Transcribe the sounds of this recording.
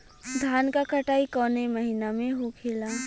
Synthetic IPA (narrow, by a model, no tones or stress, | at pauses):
d̪ʱaːnkakɐʈaːikɔːneməɦinamẽɦokʰeːlaː